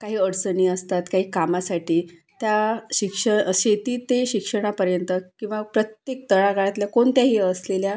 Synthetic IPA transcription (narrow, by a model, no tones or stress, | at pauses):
kaɦiːəɽt͡səniːəst̪at̪kaɦiːkamasaʈiː | t̪jaɕikʂəɕet̪iːt̪eɕikʂəɽ̃apəɾjənt̪əkĩw̃ʋapɾət̪jek̚t̪əɭaɡaɭat̪ljakoɳt̪jaɦiːəslelja